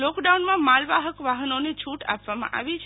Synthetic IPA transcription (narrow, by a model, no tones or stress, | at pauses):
lɔkɖaunmãmalʋaɦəkʋaɦənonet͡ʃʰuʈa̰pʋamã̰ʔa̰ʋit͡ʃʰ